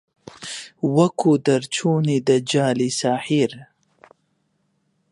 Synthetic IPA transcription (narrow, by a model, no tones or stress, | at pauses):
wakʰud̪aɾt͡ʃʰunid̪əd͡ʒɑːlisaːhiɾ